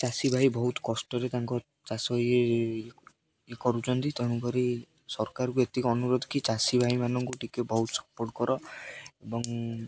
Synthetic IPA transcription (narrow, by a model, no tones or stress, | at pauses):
t͡ʃasibʱaɦibɔɦut̪kɔsʈɔɾet̪aŋkɔ | t͡ʃasɔje | ekɔɾut͡ʃɔnt̪it̪enukɔɾi | sɔɾkaɾkuet̪ikɔɔnuɾod̪ʱkit͡ʃasibʱaɦimanɔŋkuʈikebɔɦut̪sɔ̥pɔɾʈkɔɾɔebɔŋ